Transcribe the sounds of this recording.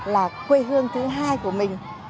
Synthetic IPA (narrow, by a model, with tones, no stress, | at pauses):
laː˨˩kwe˧ɦɨ˧əŋt̪ʰɨ˨˦ŋɦaː˧jku˧˩əmï˨˩ŋ̟